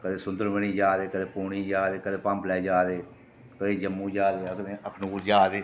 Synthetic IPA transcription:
kəd̪eːsʊnd̪əɾʋəniːd͡ʒaːd̪eːkəd̪eːpuːɳiːd͡ʒaːd̪eːkəd̪eːpə̃mplɛːd͡ʒaːd̪eː | kəd̪eːd͡ʒəmːũːd͡ʒaːd̪eːkəeːəkʰnuːɾd͡ʒaːd̪eː

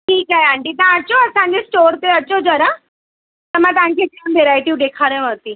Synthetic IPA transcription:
ʈiːkajãɳʈit̪ãt͡ɕɔəsãnd͡ʑesʈoɾt̪eət͡ɕɔd͡zəɾa | t̪əmat̪ãɲkãkamb̪ʱeɾajʈ̪iːɖekʰaɾẽʋəɾt̪iː

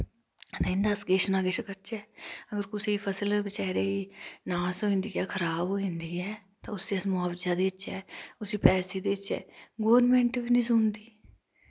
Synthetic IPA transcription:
d̪aɪ̃nd̪aːskeːʃənaːɡeːʃkəɾt͡ʃɛːəɡəɾkʊsiːpʰəsəlbət͡ʃɛːɾeːinaːsoːɦɪ̃nd̪iːɛːkʰəɾaːboːɦɪ̃nd̪iːɛːt̪ãʊseəsmʊaːʋd͡ʒaːd̪eːɪt͡ʃɛ̰ːʊsiːpɛːseːd̪eːɪt͡ʃɛ̰ːɡoːʋɾmẽːɳʈʋinĩːsʊnd̪iː

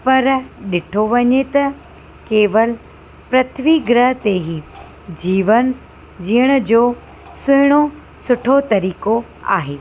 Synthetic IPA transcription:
pɐɾɗɪʈʰoʋɐɲet̪ɐ | keːʋəl | pɾɐt̪ʰʋiɡɾəɦət̪eɦi | d͡ʑiːʋən | d͡ʑiːəɽ̃ə̆d͡ʑoː | sʊɦɪɽ̃o | sʊʈʰot̪ɐɾiːko | a̰ːɦeː

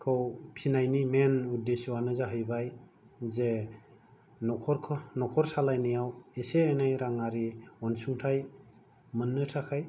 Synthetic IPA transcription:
kʰɯwpʰinajnimenudesuwanɯzaɦɯjbaj | ze | nɔkʰɔɾkʰɔnɔkʰɔɾsalajnijaweseajnajɾaŋaɾiɔnsuŋtʰaj | mɯnːɯtʰakʰaj

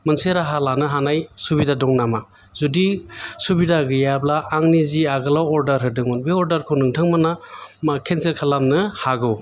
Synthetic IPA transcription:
mɯnseɾaɦalanɯɦanajsubidadɔŋnama | zudisubidaɡɯjablaːŋniziaɡɯlawɔɾdɐɾɦɯdɯŋɔnbeɔɾdaɾkʰɯnɯŋtʰɯŋmanamkʰenseɾkʰalamnɯhaɡɯw

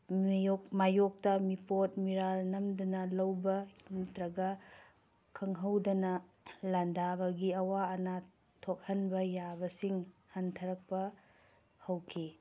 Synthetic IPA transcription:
mjok̚majok̚tɐmipot̚miɾalnɐmdɐnɐlɐwbɐintɾɐɡa | kʰɐŋɦɐwdɐnɐ | lɐndabɐɡiɐwaɐna | tʰok̚hɐnbɐjabɐsiŋhɐntʰɐɾɐk̚pɐ | hɐwkʰi

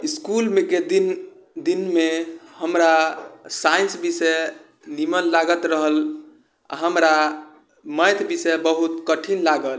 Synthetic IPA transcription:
iskulmeked̪in | d̪inmehəmɾasainsbisɛ | nimənlaɡət̪ɾəɦəl | a̰ɦəmɾa | məjt̪ʰbisɛbəɦut̪kəʈʰinlaɡəl

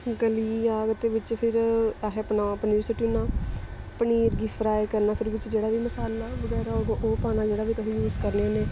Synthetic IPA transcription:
ɡəliːaːɡət̪ːeːʋɪt͡ʃpʰɪɾaɦepənaːapəniːɾsɪʈuːnãː | pəniːɾɡiːfʰɾaːekəɾnaːpʰɪɾʋɪt͡ʃd͡ʒeːɽaːʋiːməsaːlaːʋəɡɛːɾaːod̪õʔoːpaːnaːd͡ʒeːɽaːʋiːt̪ʊsĩːjuːzkəɾneãːneː

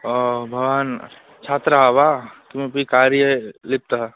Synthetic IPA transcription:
bʱɐaːn | t͡ʃʰaːt̪ɾaʋat̪umepikaɾjəlɪp̚t̪a

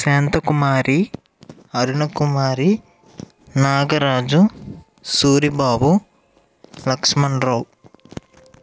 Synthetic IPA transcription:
seːnt̪ɐkumaːɾi | ɐɾuɳɐkumaːɾi | naːɡɐɾaːd͡ʒu | suːɾibaːbu | lɐkʂmɐɳɖɾow

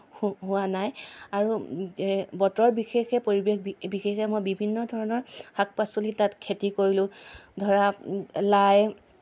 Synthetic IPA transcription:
ɦʊwanajaɹu | bɔtɔɹbixexɛpoɹibexbixexɛmojbibʱinːɔdʱɔɹɔnɔɹhak̚pasolitatkʰetikoɹilʊ̃dʱɔɹalaj

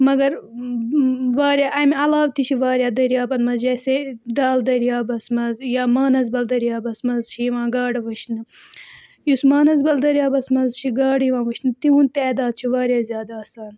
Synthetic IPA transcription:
mɐɡɐɾ | ʋaːɾʲjaːʔɐmiɐlaːʋt̪it͡ʃʰiʋaːɾʲjaːd̪ɐɾjaːbɐnmɐzd͡ʒɐːseɖaːld̪ɐɾjaːbɐsmɐzjaːmaːnɐzbɐld̪ɐɾijaːbɐsmɐzt͡ʃʰijiʋãːɡaːɖʋɨʃnɨ | jusmaːnɐzbɐld̪ɐɾijaːbɐsmɐzt͡ʃʰiɡaːɖjiʋãːʋɨʃʰnɨt̪iɦunt̪ɛːd̪aːd̪̚t͡ʃʰiʋaːɾjaːzʲjaːd̪aːsaːn

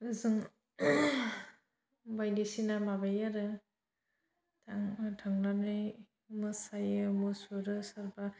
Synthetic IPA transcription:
ɯzɯŋ | bajlisinamabajaɾɯ | tʰaŋtʰaŋlanɯj | mɯsajɯmɯsuɾɯsaɾba

